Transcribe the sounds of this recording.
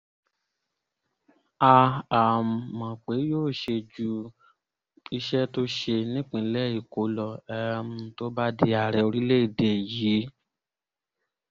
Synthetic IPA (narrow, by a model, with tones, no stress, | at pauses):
a˧a˨mã˨k͡pe˨˦joː˦˨ʃe˧d͡ʒu˦ | i˧ʃɛ˦to˦ʃe˧nĩ˦k͡pĩ˨˦lɛ˦˨i˨ko˨˦lɔ˨ɛ˧mũ˧to˦ba˦di˧˦a˨ɾɛ˧˨o˧ɾi˦le˦i˨de˨ji˨˦